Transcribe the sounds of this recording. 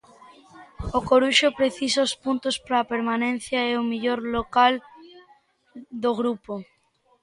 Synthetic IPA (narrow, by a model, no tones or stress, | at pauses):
okoɾuʃopɾeθisospunt̪ospaɾaːpeɾmanẽn̟θjaeomiʎoɾlokal | d̪oɣ̞ɾupo